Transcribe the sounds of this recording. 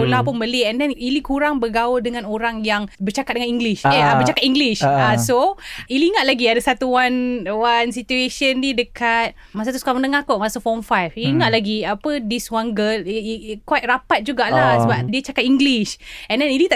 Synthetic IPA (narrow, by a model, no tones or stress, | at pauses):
əlapunbəliɛndɛnilikuɾaŋbəɡawudəŋãnoɾaŋjaŋbərt͡ʃakat̚dəŋaniŋɡliʃɛbət͡ʃakat̪iŋɡliʃasoiliŋat̪̚laɡiadəsat̪uwanwansit̪ueʃəndidəkat̪̚ | mas̬at̪usu̥kamənəŋakoʔmaasəfɔmfajfiliŋat̪̚laɡiapədiswanɡəlkwat̪̚rapat̪̚d͡ʒuɡaʔlasəbap̚diət͡ʃakat̪̚iŋɡliʃɛ̃ndɛnilit̪a